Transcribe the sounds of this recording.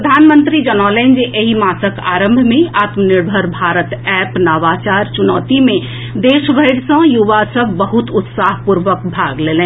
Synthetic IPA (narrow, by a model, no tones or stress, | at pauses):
ɾəd̪ʱanmə̃nt̪ɾid͡ʒənalɛ̃nd͡ʒeʔeɦimasəka̰ɾə̃mbʱmẽaːt̪məniɾbʱəɾbʱaɾət̪ɛpnaʋat͡ʃaɾt͡ʃunɔːt̪imẽ | d̪esbʱəɪɽsə̃juʋasəbʱbəɦut̪ʊt̪saɦpuɾʋəkbʱaɡleːlɛ̃